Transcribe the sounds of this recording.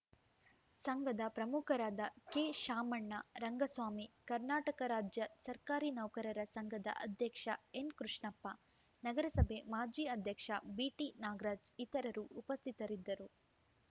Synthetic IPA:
sɐŋɡʱɐd̪ɐpɾɐmukʰɐɾaːd̪ɐkeːʃaːmɐɳːɐ̰ɾɐŋɡɐsʋaːmikɐɾnaːʈɐkɐɾaːd͡ʒjɐsɐɾkaːɾinɐwkɐɾɐɾɐsɐŋɡɐd̪ɐ̰ʔɐ̰d̪ʱjɐkʂɐenkɾuʂɳɐpːɐ | nɐɡɐɾɐsɐbʱemaːd͡ʒiːɐd̪ʱjɐkʂɐbiːʈinaːɡɾaːd͡ʒit̪ɐɾɐɾuʔːpɐst̪ʰit̪ɐɾid̪ːɐɾu

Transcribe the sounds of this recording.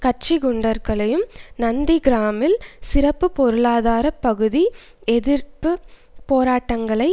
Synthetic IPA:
kɐt͡ʃɪɡʊɳɖɐɾɣɐɭɐjɯmnɐnd̪iɡɪɾaːmɪlsɪɾɐpːɯpɔɾɯɭaːðaːɾɐpːɐɣɯði | ɛðɪɾpɯ | poːɾaːʈːɐŋɡɐɭɐɪ

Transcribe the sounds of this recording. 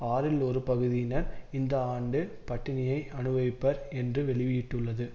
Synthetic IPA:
aːɾɪlɔɾɯpɐɣɯðɪjɪnɐɾɪnd̪ɐaːɳɖɯpɐʈːɪnɪjɐɪɐnɯʋɐʋɪpːɐɾɛndrɯʋɛɭɪʋɪjɪʈːɯɭːɐðɯ

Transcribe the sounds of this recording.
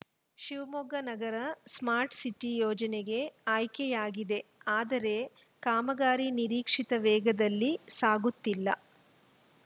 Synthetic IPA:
ʃiʋmɔɡɐnɐɡɐɾɐsmaːɾʈsiʈːijɔːd͡ʒɐneɡe̞aːjkɛjaːɡid̪e̞aːd̪ɐɾe̞ | kaːmɐɡaːɾiniɾiːkʂit̪ɐʋɛːɡɐd̪ɐlːisaːɡut̪ːilːɐ̰

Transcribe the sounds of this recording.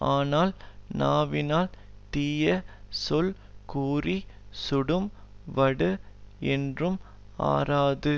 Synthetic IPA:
aːnaːlnaːʋɪnaːlt̪iːjɐsɔl | kuːrisʊɽɯmʋɐɽɯɛndrɯm | a̰ːɾaːðɯ

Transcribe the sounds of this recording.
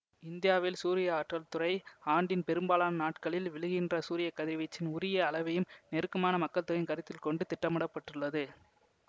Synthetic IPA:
ɪnd̪ɪjaːʋɪlsuːɾɪjɐaːʈrɐlt̪ʊɾɐɪaːɳɖɪnpɛɾɯmbaːlaːnɐnaːʈkɐɭɪlʋɪɭɯɣɪndrɐsuːɾɪjɐkːɐðɪɾʋɪt͡ʃːɪnʊɾɪjɐːɭɐʋɐjɯmnɛɾɯkːɐmaːnɐmɐkːɐɭt̪ːɯɾɐnkɐɾɪt̪ːɪlkɔɳɖɯt̪ɪʈːɐmɐɽɐpːɐʈːɯɭːɐðɯ

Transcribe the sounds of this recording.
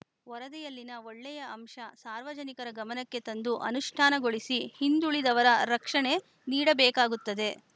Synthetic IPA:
ʋɐɾɐd̪ɛjɐlːinɐoɭːɛjɐɐmʂɐsaːɾʋɐd͡ʒɐnikɐɾɐɡɐmɐnɐkːe̞t̪ɐnd̪uʔɐ̰nuʂʈʰaːnɐɡo̞ɭisihind̪uɭid̪ɐʋɐɾɐɾɐkʂɐɳe̞ | niːɽɐbɛːkaːɡut̪ːɐd̪e̞

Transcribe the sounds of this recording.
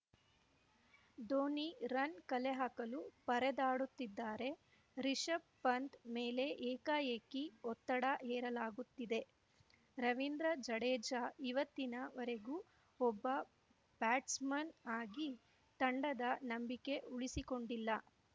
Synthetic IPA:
d̪oːniɾɐnkɐleɦakɐlupɐɾɛd̪aːɽut̪ːid̪ːaːɾe̞ | ɾiʂɐp̚pɐnd̪meːle̞ʔɛːkaːeːkiɔt̪ːɐɽaʔɛːɾɐlaːɡut̪ːid̪e̞ | ɾɐʋind̪ɾɐd͡ʒɐɽɛːd͡ʒaːiʋɐt̪ːinɐʋɔɾe̞ɡu | ɔbːɐ | b̥aːʈsmɐnaːɡi | t̪ɐɳɖɐd̪ɐnɐmbike̞ʔuɭisiko̞ɳɖilːɐ

